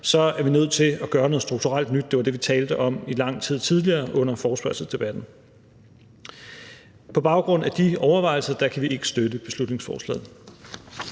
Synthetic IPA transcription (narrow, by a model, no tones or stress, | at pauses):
sɒ̽æɐʋinøð̰ˠt͡sʰe̝æɡ̥ɶːɐnɔ̽ð̩ˠsd̥ʁuɡ̥̚t͡sʰuʁal̰d̥nyd̥̚ːe̝ʋɑ̈d̥e̝ʋit͡sʰɛːld̥əʔɒ̽milɑ̈ŋ̰t͡sʰið̰ˠt͡sʰið̞ˠliɐːʔɔ̽n̰ɐfɒːsb̥ɑlsəsd̥e̝b̥æd̥n̩ | pʰɒ̽b̥ɑ̈ʊɡ̥ʁɔ̽n̰æd̥iɒʊɐʋɑ̈ɪl̩sɐd̥ɑ̈kʰæʋiʔe̝ɡ̥ə̥sd̥ød̥əb̥e̝slud̥ne̝ŋsfɒ̰ːslɛ̰ːð̩ˠ